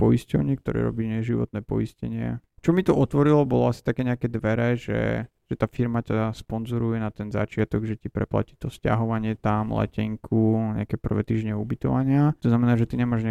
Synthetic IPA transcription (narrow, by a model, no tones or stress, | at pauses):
pɔiscɔʊɲɪɛkt̪ɔɾɛ̰ːɾɔ̰biɲɛʒiʋɔ̰t̪nɛːpɔ̰iscɛɲɪɛ̰t͡ʃɔmit̪ɔʔɔt̪ʋɔɾilɔbɔlɔasi̥t̪akɛːɲɛakɛːd̪ʋɛɾɛʒɛ̰ | ʒ̥ɛt̪aːfiɾmacaspɔnzɔɾujɛnat̪ɛnza̰t͡ʃɪat̪ɔɡʒɛcipɾɛpla̰ci̥t̪ɔsca̰ɦɔʋaɲɪɛt̪amlɛ̰cɛŋkʰuɲɛ̰akɛːpr̩ʋɛ̰ːt̪iːʒɲɛubit̪ɔ̰ʋaɲɪat̪ɔznamɛnaːʒɛt̪iɲɛmaːʒɲɛ